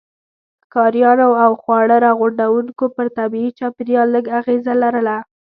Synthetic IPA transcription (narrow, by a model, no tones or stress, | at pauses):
kɑɾjɑnoawxwɑɽəɾɑɣʊɳɖawuŋkopəɾt̪abiit͡ʃɑpɾjɑləɡaɣezalaɾəla